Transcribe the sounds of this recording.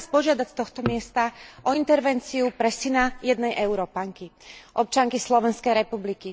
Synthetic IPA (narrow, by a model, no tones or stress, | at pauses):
spɔʒɪad̪acst̪ɔxt̪ɔmɪɛst̪aʔɔint̪ɛɾʋɛnt͡siupɾɛsinajɛd̪nɛjʔɛʊɾɔpaŋkiʔɔp̚t͡ʃaŋkislɔʋɛnskɛjɾɛpubliki